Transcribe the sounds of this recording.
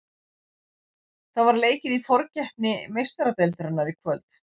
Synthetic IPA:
θaðvaɾleːjcɪðifɔɾcɛhp̚nɪmejst̪aɾat̪ɛlt̪ɾɛnːaɾikʰvœlt̪

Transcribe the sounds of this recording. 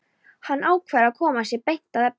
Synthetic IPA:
hanːʔaːwkʰvɛɾaðkʰɔːmasjɛɾpejn̥t̪aðɛp

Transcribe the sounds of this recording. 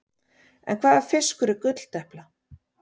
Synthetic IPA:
ɛ̰nkʰvaːðḁfɪskʏɾʏkʏt̪l̥t̪ɛhpla

